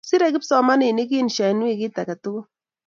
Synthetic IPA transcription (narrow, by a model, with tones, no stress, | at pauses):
si˦ɾɛ˦kɪ˦psɔ˨ma˦nɪ˨ni˦k̬i˦nʃa˨n˦i˦˨kɪ˦ta˨ka˨tʊ˦kʊ˦